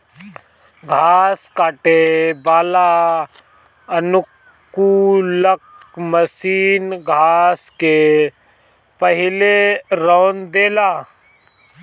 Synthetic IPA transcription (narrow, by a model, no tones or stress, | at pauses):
ɡʱaːskaːʈebaːla | ənʊk | uləkməsiːnɡʱaːske | pəɦɪleɾɔːnd̪eːlaː